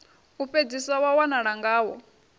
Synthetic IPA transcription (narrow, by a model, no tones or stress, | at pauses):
uɸed͡zisawawanaɺaŋɡaːwɔ